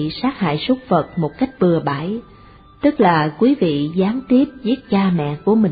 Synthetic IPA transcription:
saː˦˥k̚ha̰ː˧˨jsu˦˥k͡p̚fə˨˩t̚mo˨˩t̚ka˦˥jk̟̚ɓɨ˨˩əɓaː˧˩j | t̪ɨ˦˥k̚laː˨˩kwi˨˦vḭ˧˨zaː˨˦ŋt̪i˦˥əp̚zi˦˥ət̚t͡ɕaː˧mɛ̰˧˨ku˧˩əmï˨˩

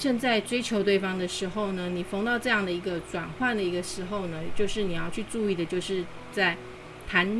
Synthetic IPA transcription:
t͡ɕə˥˧nt͡sa˥˩ɪʈ͡ʂwe˥ɪt͡ɕʰjo˧˥ʊt̪we˥˩ɪfɑ˥ŋd̪ə˨ʂɻ̩˧˥xo˥˩ʊnə˩ni˨˩fo˧˥ŋt̪ɑ˥˧ʊʈ͡ʂɤ˥˧jɑ˥˩ŋd̪ə˩i˧˥ɡə˧ʈ͡ʂwa˨˩nxwa˥˩nd̪ə˩i˧˥ɡə˧ʂɻ̩˧˥xo˥˧ʊnə˩t͡ɕjo˥˧ʊʂɻ̩˥˩ni˨˩jɑ˥˧ʊt͡ɕʰy˥˧ʈ͡ʂu˥˧i˥˩d̪ə˩t͡ɕjo˥˧ʊʂɻ̩˥˧ | t͡sa˥˩ɪ | t̪ʰa˧˥n

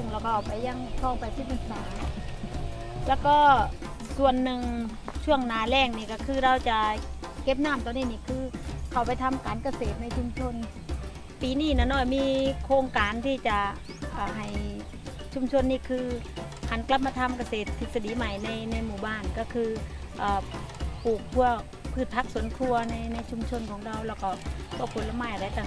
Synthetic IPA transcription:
u˧˩ŋlɛː˧˩kɔː˧ʔɔː˨˩wpa˨jːa˧˩ŋsʰɔː˧˩ŋfa˨˧˩jsi˧˩p̚ʔɯ˧˩saː˨˦ | lɛː˧˥wkɔː˧˩ | su˨˩ənːɯ˨˧ŋt͡ɕʰu˥˩əŋnaː˨˦lɛː˧˩ŋniː˧˩kɔː˧˩kʰɯː˧ɾa˧wt͡ɕa˨˩ | ke˦˥p̬̚naː˧˥˨mt̪ɔː˧ŋniː˧˩˨niː˧˥˩kʰɯː˧kʰa˨˩wpa˧jt̪ʰa˧mkaː˨˦nka˧seː˨˩t̪̚na˧˩jt͡ɕʰu˧mt͡ɕʰo˧n | piː˨˦niː˧˩naː˧˩nɔː˧˩jmiː˧kʰoː˧ŋkaː˨nt̪ʰiː˧˩t͡ɕa˨˩ | ʔaː˨˧˩ɦa˨˩j | t͡ɕʰu˧˥˩mt͡ɕʰo˧nːiː˧˥˩kʰɯː˧ | hʰa˧˦˥nkla˧˥p̚ma˧t̪ʰa˧mka˧seː˨˩t̪̚ʰːi˨˩t̪̚sa˧diː˨˦ma˨˩jna˧jna˧jmuː˨˩baː˧˩nkɔː˧˩kʰɯː˧ʔaː˨˩pʰuː˨˩k̚pʰu˧ɐ | pʰɯː˥˩t̪̚pʰa˦˧˥k̚su˩˦ənkʰu˧ɐna˧˩jna˧˩jt͡ɕʰu˧mt͡ɕʰo˧nkʰɔː˨˦ŋɾa˧wlɛː˧˩wkɔ˧˩pʰu˧˩əpʰo˨˧˦la˧maː˧˥˩jʔa˧˩ɾa˧jt̪a˧˩

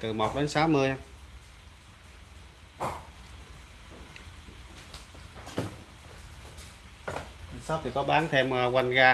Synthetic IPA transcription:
t̪ɨ˨˩mo˨˩t̚ɗe˨˦nsaː˨˦wmɨ˧əj | a˧˩saː˨˦wt̪ʰi˨˩kɔ˨˦ɓaː˨˦nt̪ʰe˧m˨kwa˧jŋɣaː˧

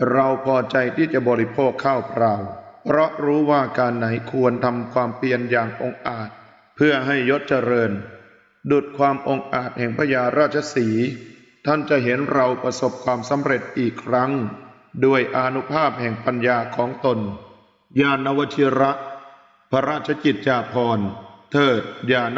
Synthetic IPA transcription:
ɾa˧wpʰɔː˧t͡ɕa˧jt̪ʰiː˥˩t͡ɕa˨˩bɔː˧ɾi˦˥pʰoː˥˩kʰːaː˥˩wpʰɾaː˧wpʰɾɔ˦˥ʔɾuː˦˥waː˥˩kaː˧nːa˩˦jkʰu˧ənt̪ʰa˧mkʰwaː˧mpli˧ənjaː˨˩ŋʔo˧ŋʔaː˨˩t̪̚ | pʰɯ˥˩ɐəɦa˥˩jːo˦˥t̪̚t͡ɕa˧ɾɤː˧n | du˨˩t̪̚kʰwaː˧mʔo˧ŋʔaː˨˩t̪̚hɛ˨˩ŋpʰa˧jaː˧ɾaː˥˩t̪̚t͡ɕʰa˧siː˩˦ | t̪ʰa˥˩nt͡ɕa˨˩ʔɦe˩˦nɾa˧wpɾa˧so˨˩p̚kʰwaː˧msa˩˦mɾe˨˩t̪̚ʔiː˨˩kʰːɾa˦˥ŋ | du˧˩əjʔaː˧nu˦˥pʰaː˥˩p̚hɛ˨˩ŋpa˧njaː˧kʰɔː˩˦ŋt̪o˧n | jaː˧na˦˧wa˦˥t̪ʰi˧˥ɾa˦˥ʔ | pʰa˧ɾaː˥˩t̪̚t͡ɕʰa˧ki˨˩t̪̚t͡ɕaː˧pʰɔː˧nt̪ʰɤː˨˩t̪̚jaː˧˩n

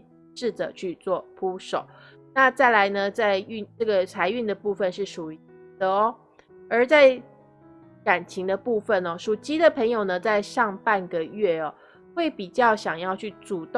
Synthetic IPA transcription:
ʂɻ̩˥˩t͡sə̰˨˩t͡ɕʰy˥˧t͡swɔ˥˩pʰu˥ʂo˨˩˦ʊ | na˥˧t͡sa˥˩ɪla˧˥ɪnə˧t͡sa˥˧ɪy˥˧nʈ͡ʂɤ˥˩ɡə˩t͡sʰa˧˥ɪy˥˩nd̪ə˩pu˥˧fə˨nʂɻ̩˥˩ʂu˨˩də˦ɔ˦ | ə˞˨˧˥t͡sa˥˩ɪ | ka˨˩nt͡ɕʰi˧˥ŋd̪ə˧pu˥˧fə˥˨nɔ˩ʂu˨˩t͡ɕi˧˥d̪ə˨pʰə˧˥ŋjo˨˩ʊnə˦t͡sa˥˧ɪʂɑ˥˧ŋpa˥˨nɡə˩ɥɛ˥˩ɐ˩ | xwe˥˩ɪpi˨˩t͡ɕjɑ˥˩ʊɕjɑ˨˩ŋjɑ˥˧ʊt͡ɕʰy˥˩t͡su˨˩t̪

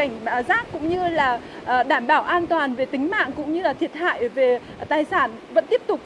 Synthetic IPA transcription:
a˧˩jŋ̟˨˩zaː˦˥k̚kʊ̰˧˥ŋ͡mɲɨ˧laː˨˩˨ | ɗaː˧˩mɓaː˧˩wʔaː˧nt̪waː˨˩nve˨˩t̪ï˨˦ŋ̟ma̰ː˧˨ŋkʊ̰˧˥ŋ͡mɲɨ˧laː˨˩t̪ʰi˧˩ət̚ha̰ː˧˨jve˨˩ | t̪aː˨˩jsaː˧˩nvə̰˧˥nt̪i˦˥p̚t̪ʊ˨˩k͡p̚

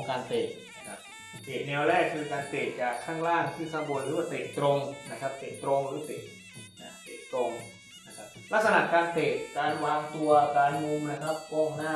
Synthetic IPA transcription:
ŋkaː˧nt̪eː˨˩t̪̚na˦˧˥kʰa˦˥p̚ | heː˨˩t̪̚nɛː˧wɾɛː˥˩kʰːɯː˧kaː˧nt̪eː˨˩t̪̚t͡ɕaː˨˩kʰːaː˥˩ŋlaː˥˩ŋt̪ʰiː˥˩sa˧bo˨˩nɾɯː˦waː˥˩t̪eː˨˩t̪̚t̪ɾo˧ŋna˦˥kʰa˦˥p̚t̪eː˨˩t̪̚t̪ɾo˧ŋɾɯː˨˦t̪eː˨˩t̪̚ | na̰˧˩t̪eː˨˩t̚t̪ɾo˧ŋ | na˦˥kʰa˦˥p̚la˦˥k̚sa˧na˨˩ʔkaː˧nt̪eː˨˩t̪̚kaː˧nwaː˧ŋt̪u˧ɐkaː˧nŋu˧mna˦˥˩kʰa˦˥p̚kɔː˧˥˩ŋnaː˥˩

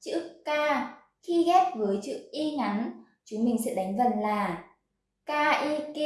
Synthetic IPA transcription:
t͡ɕɨ̰˧˥kaː˧ | xi˧ɣɛ˦˥p̚vəː˨˦jt͡ɕɨ̰˧˥ʔi˧ŋa˨˦n | t͡ɕu˨˦mï˨˩ŋ̟sɛ̰˧˥ɗa˨˦jŋ̟və˨˩nlaː˨˩ | kaː˧ʔi˧ke˧

